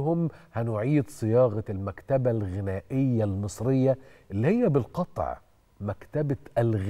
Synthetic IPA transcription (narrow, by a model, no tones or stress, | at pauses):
hʊmhænʊʕiːd̪sˤɨjɑːɣɑlmækt̪æbælɣɪnæːʔɪjːælmɨsˤɾɪjːaʔɪlːihɪjːæbɪlqɑt̪ˤʕ | mækt̪æbaʔælɣ